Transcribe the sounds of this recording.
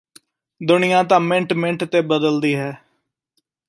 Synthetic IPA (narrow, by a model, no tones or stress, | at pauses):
d̪ʊɳɪjãːt̪ãːmɪ̃ɳʈmɪ̃ɳʈt̪eːbəd̪əld̪iːɦɛː